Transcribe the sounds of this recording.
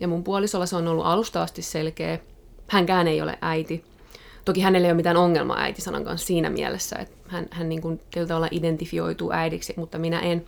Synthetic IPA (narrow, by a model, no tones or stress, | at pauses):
jɑmumpuɑlisolːɑseonolːṵʔɑlust̪ɑɑst̪isselkeː | hæŋkæːnejo̰lḛʔæit̪i | t̪okihænelːeijomit̪æːnoŋːelmʔɑ̰ʔæ̰it̪isɑnɑ̰ŋkɑ̰nssiːnæ̰mḭæ̰lesːæ̰ḛt̪hænhænniːŋkunsilːt̪ɑʋɑlːɑʔident̪ifio̰it̪ṵːʔæidiksimut̪ːɑminæ̰ʔen